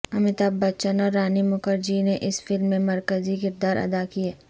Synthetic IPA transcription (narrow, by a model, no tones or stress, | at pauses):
ɐmɪt̪abbːɐtːʃənɔːɾːaːnimʊkəɾd͡ʒineʔɪsfɪlmːẽmɐɾkəzikɪɾd̪aːɾʔɐ̰d̪akiɛː